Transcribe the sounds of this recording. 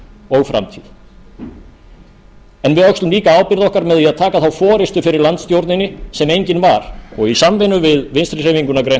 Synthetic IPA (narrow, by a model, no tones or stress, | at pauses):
ɔɣfɾa̰mt̪ʰið | ɛnvɪðœkst̪ʏmliːkaaːwpɪɾðɔhkaɾmɛðɛaðt̪ʰaːkaθawfɔːɾɪst̪ʏfɪɾɪɾlant̪st̪jowɾt̪nɪnːɪsɛmejɲcɪnvaɾɔɣisamvɪnʏvɪðvɪnst̪ɾɪr̥eviŋkʏnakɾejn